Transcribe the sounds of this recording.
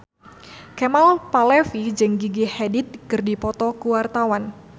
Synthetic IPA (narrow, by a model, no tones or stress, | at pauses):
kɛmalpalɛfid͡ʒɨŋɡiɡihɛdit̪̚kɨrdipɔt̪ɔkuwart̪awan